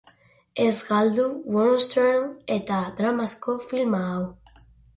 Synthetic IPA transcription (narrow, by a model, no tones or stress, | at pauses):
ezɡald̪uwɔnst̪eɾnet̪ad̪ɾamaskofilmaw